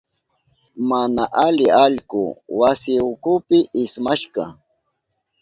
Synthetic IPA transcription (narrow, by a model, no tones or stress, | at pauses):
manaʔalɪaʎkʊ̰wasɪʊkʊpɪʔɪsmaʃkɑ